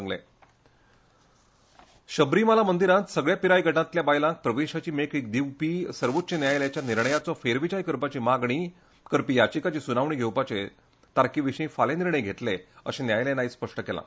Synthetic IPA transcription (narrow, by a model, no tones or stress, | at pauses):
ŋɡlḛ̃ | ɕəbɾiːməlamənd̪iɾãt̪səɡɭjapiɾajɡʱəʈãt̪ljabajlãk̚pɾəʋeɕat͡ɕiːmekik̚d̪iwpiːsəɾʋot̪ːt͡ɕenjajljat͡ɕjaniɾɳəjat͡sɔfeɾʋid͡ʑajkəɾpat͡ɕiːmaɡɳ̃i | kəɾpiːjat͡ɕikat͡ɕiːsunaʋɳ̃iːɡʱewpat͡ɕe | t̪aɾkiːʋiɕəĩfaleniɾɳəjɡʱet̪leə̰ɕẽnjajlenaispəʂʈəkelã̰